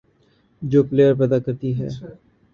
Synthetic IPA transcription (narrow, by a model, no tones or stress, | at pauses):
d͡ʒoːpleːəɾp̬ɛːd̪aːkəɾt̪iɦɛ̰ː